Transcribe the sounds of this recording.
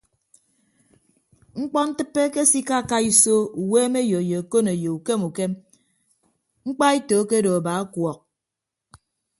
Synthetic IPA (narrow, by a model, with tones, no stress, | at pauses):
ŋ͡m̩˦k͡pɔ˦n̩˦tɨ˦pːe˦ke˦si˦ka˦˨ka˦i˦so˦u˨weː˦me˦jo˨je˨a˨ko˦ne˨je˨u˨ke˦mu˨ke˦m | ŋ͡m̩˦k͡pa˦i˦toː˨˦ke˦do˨a˨ba˨˦a˦kwɔ˨k̚